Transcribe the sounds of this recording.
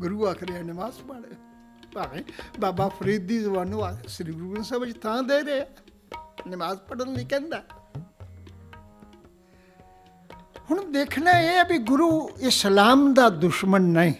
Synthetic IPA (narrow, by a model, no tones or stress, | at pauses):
ɡʊɾuːaːkʰɾeaːnɪmaːzpəɽ | baːmeːbaːbaːpʰəɾiːd̪iːzəbaːnũːaːsɾiɡɾuːsəbt͡ʃt̪ʰãːd̪eːɾeːaː | nɪmaːzpəɽənliːkɛ̃ːnd̪aː | hʊɳ̃d̪eːkʰnaːeːbiɡʊɾuːɪslaːmd̪aːd̪ʊʃmənːəĩː